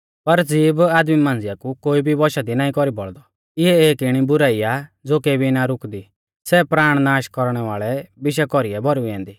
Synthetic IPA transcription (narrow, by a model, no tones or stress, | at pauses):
pɐɾd͡ziːbaːd̪mimãːnd͡zɪjakukoːibʱibɔʃad̪inaːĩkɔɾibɔɭd̪ɔ | ɪɦɛeːkɪɽ̃ibʊɾaːijad͡zoːkeːbʱinaɾʊkd̪i | sɛpɾaːɽ̃naːʃkɔɾɽ̃ɛʋaːɭɛbɪʃɛkɔɾiɛbʱɔɾuiɛ̃ːnd̪iː